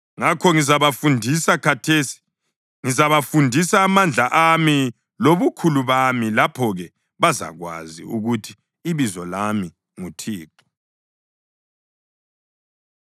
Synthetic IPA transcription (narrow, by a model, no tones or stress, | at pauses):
ŋakʰɔŋizaβafundʱisakʰatʰesi̥ | ŋizaβafundʱisaːmand͡ɮʱaʔami | loβukʰuluβamilapʰɔɣɛ | βaza̰ɣwa̰zḭuɣutʰi̥ː | βizɔlami | ŋutʰiːǃɔ̥